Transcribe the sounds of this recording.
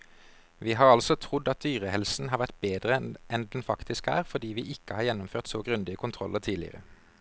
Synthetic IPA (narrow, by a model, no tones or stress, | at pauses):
ʋiːɦɑːʁɑlsɔt̪ʰʁʊd̪ɑt̪̚d̪yːʁəhɛlsn̩hɑːʁʋæʁt̪̚beːd̪ʁəʔɛnd̪ɛn̩fɑkt̪ɪskæ̰ːʁfɔʁd̪iːʋiːʔɪkəhɑːʁjɛnːʊmføːʁt̪soːɡʁʉnd̪ɪəkʰʊnt̪ʰʁɔlːəʁt̪ʰiːlɪ̰ə̰ʁə̰